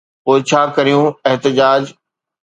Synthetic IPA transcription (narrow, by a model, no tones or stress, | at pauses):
poːɪt͡ɕʰaːkɐɾijũeɦt̪ɪd͡ʑaːd͡ʑ